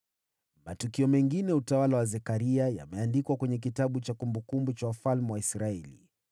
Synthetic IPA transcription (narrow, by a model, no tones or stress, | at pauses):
matukiɔmɛŋɡinɛutawalawazɛkaɾiaja̰mɛandikwakwɛɲɛk̬itaɓut͡ʃakumbukumbut͡ʃawafalmɛwaisɾaɛlḭ